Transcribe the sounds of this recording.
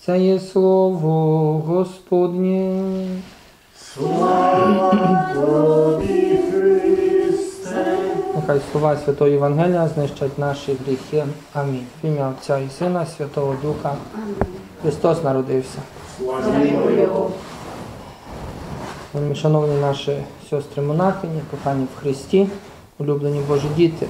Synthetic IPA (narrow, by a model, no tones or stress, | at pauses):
t̪sɛjɛslˠɔʋɔɣɔspɔd̪ʲnʲi | jɐkajslˠɔʋɑsʲʋʲɐt̪ɔɦɔjɛʋɐnɦɛlʲijɐznɪʃt͡ʃɐtʲnɑʃiɣɾʲixɪ | ɐmʲinʲfʲimʲɐɔt͡sʲaisɪnɐsʲʋʲɐt̪ɔɦɔd̪uxɐ | xɾɪst̪ɔsnɐɾɔd̪ɪwsʲɐ | mʲiʃɐnɔwnʲinɑʃɪsʲɔst̪ɾɪmɔnɑxɪnʲipɔxɑnʲːiwxɾɪsʲtʲi | ʊlʲublenʲibɔʒidʲit̪ɪ